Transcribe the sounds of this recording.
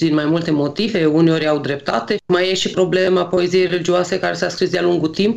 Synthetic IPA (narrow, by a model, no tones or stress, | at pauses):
d̪inmajmult̪e̞mo̞t̪ive̞uneoɾʲawd̪ɾe̞p̚t̪at̪e̞majeʃipɾo̞blemapo̞e̞zijejrelid͡ʒiuoase̞kaɾe̞saskɾisd̪ealuŋɡut̪imp